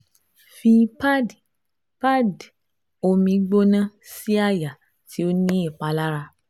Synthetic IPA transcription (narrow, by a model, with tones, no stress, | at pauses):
fĩ˧pa˦d | pa˦d | o˧mĩ˧ɡ͡bo˦nã˦si˦a˦˨ja˨ | tʰi˨˦o˦nĩ˦i˦˨k͡pa˨˦la˦ɾa˧